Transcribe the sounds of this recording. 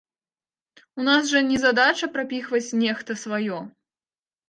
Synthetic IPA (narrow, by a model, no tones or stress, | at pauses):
unasʐɐnʲɛzad̪at͡ʃɐpɾapʲixvɐt͡sʲnʲɛxt̪ɐsvajɔ